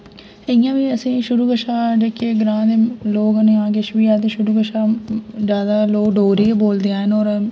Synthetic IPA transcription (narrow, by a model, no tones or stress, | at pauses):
əjãːʋiːəsĩːʃʊɾuːkəʃaːd͡ʒeːkeɡɾãːd̪eloːɡənẽːaːɡeʃʋiːaːt̪̬ẽːʃʊɾuːkəʃaːd͡ʒjaːd̪aːloːkɖoːɾiːeːboːld̪eãːɦənɔːɾ